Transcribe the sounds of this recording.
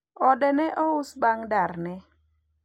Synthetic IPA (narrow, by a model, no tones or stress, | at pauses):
ɔdɛnɛʔɔʊsbaŋdarnɛ